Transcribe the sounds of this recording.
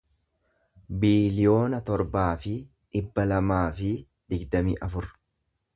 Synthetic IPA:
biːlɪjo̞ːnɐt̪ɔɾbaːfɪ | ᶑɪbːɐlɐmaːfɪ | d̪̥ɪɡd̪ɐmḭːʔɐfʊɾ

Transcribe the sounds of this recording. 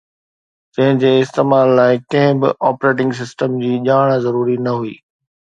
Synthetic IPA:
d͡ʑɐ̃ɦɪ̃d͡ʑeːɪst̪eːmaːlːaːɪkɐ̃ɦɪ̃bɪ̰ʔaːpɾeːʈ̬ɪ̃ŋɡs̬ɪsʈəmd͡ʑiːʄaːɽ̃zɐɾuːɾinɐɦuḭː

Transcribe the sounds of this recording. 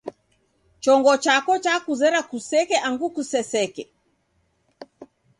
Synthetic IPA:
t͡ʃɔŋɡɔt͡ʃakɔt͡ʃakuzɛɾakusɛkɛʔaŋɡukusɛsɛkɛ

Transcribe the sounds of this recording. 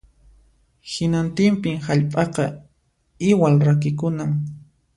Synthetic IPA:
hɪnant̪ɪmpɪŋhaʎpʼɑqɑ | ɪwalɾakɪkʊnam

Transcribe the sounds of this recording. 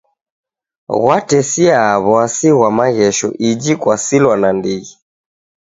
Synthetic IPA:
ɣwatɛsiaβɔasiɣwamaɣɛʃɔ̰ʔid͡ʒikwasilwanandiɣi

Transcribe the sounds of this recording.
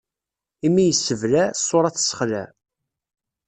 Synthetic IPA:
imːijəsːəvlæsˤːoɾˤɑθə̥sə̥χlæ̰

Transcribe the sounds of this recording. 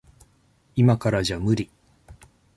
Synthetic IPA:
imakaɾaʑamɯɾʲi

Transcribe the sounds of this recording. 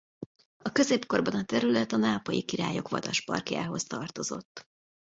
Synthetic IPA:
ɒkø̞zeːpko̞rbɒnɒt̪ɛɾylɛt̪ɒnaːpɒjikiɾaːjo̞kʋɒ̰d̪ɒʃpɒ̰rkja̰ːɦo̞st̪ɒrt̪o̞zo̞̰t̪ː

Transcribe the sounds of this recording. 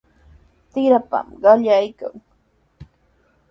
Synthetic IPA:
t̪ɪɾapa̰mɢɑʎajka̰ŋ

